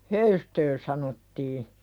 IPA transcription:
høystø sɑnotːiː

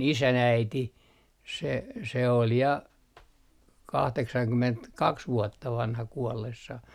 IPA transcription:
isæn æiti se se ol jɑ kɑhteksɑŋkymentkɑks ʋuotːɑ ʋɑnhɑ kuɔlːesːɑh

